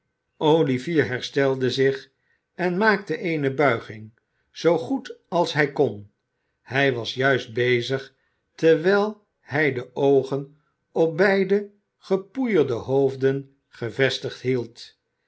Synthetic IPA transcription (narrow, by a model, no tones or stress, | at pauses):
ʔoliviːɹɦɛɹstɛlˠdəzɪχ | ɛnmaːktəʔejnəbœɥχɪŋ | z̥owχutɑlˠsɦɛjkɔn | hɛjʋɑsjœɥsd̚bejzəχ | tɛɹʋɛlˠ | hɛjdəʔowχən | ɔp̚bɛjdə | χəpujəɹdəɦowvdən | χəvɛstəχtɦilˠt